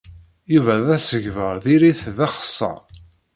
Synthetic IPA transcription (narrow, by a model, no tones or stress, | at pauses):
juvæðæsəʝvəɾˤðiɾiθðæχə̥sˤːɑ̰